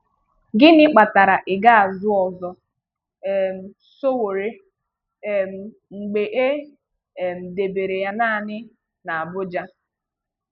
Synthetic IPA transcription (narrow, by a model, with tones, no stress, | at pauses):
ɡɪ˦nɪ˦k͡pa˨ta˨ɾa˨ʔɪ˨ɡa˦a˨zʊ˦ɔ˨zɔ˨˦˨ | m̩˨ | so˦wo˨ɾe˦˨ | m̩˨ | ŋ͡m̩˨ɡ͡be˨ʔe˦˨ | m̩˨de˨be˨ɾe˨ja˦na˦˨nɪ˦ | na˨a˨bʊ˦d͡ʒa˦